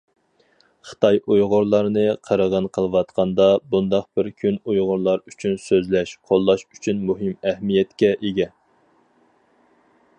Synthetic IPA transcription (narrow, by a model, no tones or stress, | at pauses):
χə̥t̪ʰɑjujʁʊɾlˠɑɾnɨqʰəɾəʁənqʰəlˠɨwɑt̪qʰɑnd̪ɑbund̪ɑq̚bɪɾkʲʰynujʁʊɾlˠɑɾyt͡ʃʰynsøzlɛʃqʰolˠːɑʃyt͡ʃʰynmuɦɨmɛhmijɛt̪kʲɛʔeɡʲɛ